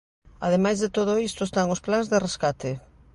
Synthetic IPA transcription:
a̰ðemajzðet̪oð̞oist̪oest̪aŋʊsplaŋzðereskat̪e

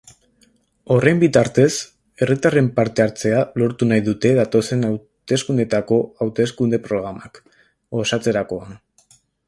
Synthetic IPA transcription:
o̞re̞mbit̪aɾt̪e̞s | e̞rit̪are̞mpaɾt̪e̞aɾt͡se̞alo̞ɾt̪unajðut̪e̞ðat̪o̞se̞naw | t̪e̞skund̪e̞t̪ako̞awt̪e̞skund̪e̞pɾo̞ɣ̞ɾamak | o̞sat͡se̞ɾako̞an

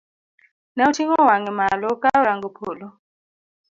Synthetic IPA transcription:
nautʰiŋɔwaŋɛmalɔkʼaɾaŋɡupʰolɔ

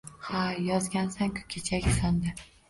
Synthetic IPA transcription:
hajɒzɡʲansaŋkʲʰʊ̥kʲʰet͡ʃʰakʲsand̪ɪ

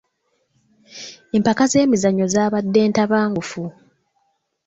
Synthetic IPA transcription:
empakaze̞ːmizaɲːo̞zaːβadːe̞ːntaβaːŋɡufu

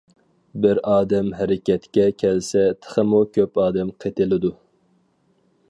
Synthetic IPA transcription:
bɪɾɑːd̪ɛmɦæɾɪkʲʰɛt̪kʲɛkʲʰɛlsɛt̪ʰə̥χəmukʲʰøpɑːd̪ɛmqʰet̪ɪlɪd̪u

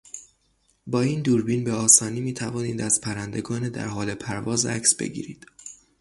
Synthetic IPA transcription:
bɒːiːnd̪uːɾbiːnbeɒːsɒːniːmiːt̪ʰævɒːniːd̪æz̥pʰæɾænd̪e̞ɡɒːned̪æ̰ɾɦɒːle̞pʰæɾvɒːzæ̰csb̥e̞̰ɟḭːɾiːd̪̥

